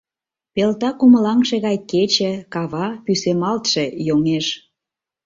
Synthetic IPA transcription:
pelt̪ɑkuməlɑŋʃĕɣɑjket͡ɕĕkɑβɑpysemɑlt̪ʃĕjoŋeʃ

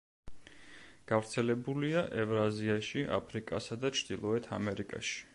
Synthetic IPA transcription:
ɡ̥avɾt̪sʰɛlɛbuliaʔɛvɾaziaʃiʔa̰pʰɾikʼa̰sad̪at͡ʃʰd̪̥ilˠɔɛt̪ʰamɛɾikʼa̰ʃi̥

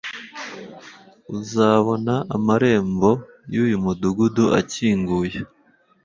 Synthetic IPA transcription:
uzaːβo̞naʔamaɾe̞ːmbo̞ | juːjumuduɡuduʔa̰ciːŋɡuːje

